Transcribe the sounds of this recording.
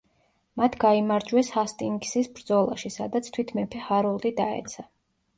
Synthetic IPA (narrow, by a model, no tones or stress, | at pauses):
mat̪ʰɡaimaɾd͡ʒwɛshast̪ʼiŋɡsisbɾd̪zɔlˠa̰ʃisad̪at̪sʰt̪ʰwit̪ʰmɛpʰɛhaɾulˠd̪id̪aɛ̰t̪sʰa